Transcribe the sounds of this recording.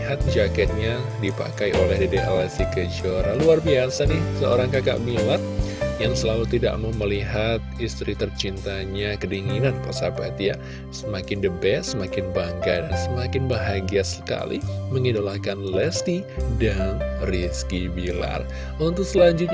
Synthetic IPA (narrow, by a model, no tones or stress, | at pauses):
ɦat̪̚d͡ʒakɛt̪̚ɲadipa̰kajʔolɛhdideʔa̰lɛsikəd͡ʒoɾa̰luarbiasanɪhsəo̰ɾaŋkaka̰ʔbilat̪̚jaŋsəlalut̪ida̰ʔmaməliɦat̪̚ist̪ɾit̪ərt͡ʃint̪aɲakədiŋinanposapat̪ja | səmakɪndəbɛsəmakɪnbaŋkadansəmakɪnbaɦaɡiasə̥ka̰lḭməŋidolakanlɛst̪idanriskibila̰r | unt̪ʊk̚səlaɲd͡ʒʊt̪̚ɲ